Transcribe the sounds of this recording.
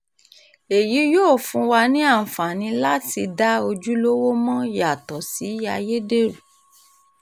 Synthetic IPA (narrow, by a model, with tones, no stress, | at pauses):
e˨ji˨˦joː˦˨fũ˧wa˧nĩ˦a˦˨fa˨nĩ˧˦la˦ti˧da˦o˧d͡ʒu˦lo˦wo˦mã˦ja˨tɔ˨si˨˦a˧je˦de˦ɾu˨